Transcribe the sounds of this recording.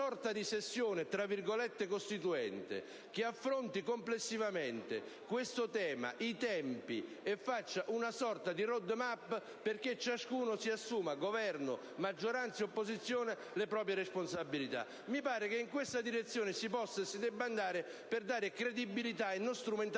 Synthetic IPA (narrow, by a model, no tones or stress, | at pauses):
ɔrt̪ad̪isesːjoːnet̪ɾavːirɡolɛt̪ːekost̪it̪uɛnt̪ḛ | k̟ɪafːɾont̪ikomplesːivament̪ḛkwest̪ʊt̪ɛːma̰ʔit̪ɛmpi | efːat͡ʃːaʔunasɔrt̪ad̪irod̪ːmapː | perk̟et͡ʃːaskuːnosiasːuːmaɡovɛrnʊ | mad͡ʒːoɾant̪seopːozit̪sːjoːne | lepɾɔːp̬ɾjeɾesponsabːilit̪a̰ | mipaːɾekeiŋkwest̪ad̪iɾet̪sːjoːnɪsipɔsːasid̪ɛbːand̪aːɾɪ | pɪrd̪aːɾɪkɾed̪ibːilit̪̬ainːost̪ɾument̪